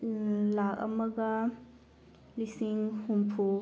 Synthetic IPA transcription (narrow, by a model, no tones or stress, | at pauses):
lak̚ɐ̰mɐɡɐ | lisiŋhumpʰu